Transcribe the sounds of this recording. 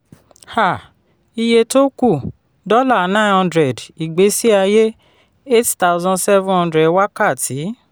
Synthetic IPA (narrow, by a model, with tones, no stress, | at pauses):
ha˦˨ | i˧je˧to˦ku˦˨ | dɔ˦la˦˨nã˦˨nhɔ̃˧ndɾɛ˨di˨ɡ͡be˨˦si˦a˧je˦ | e˦tta˦wzɔ̃˧nsɛ˦vũ˦hɔ̃˦ndɾɛ˨wa˦ka˦˨ti˨˦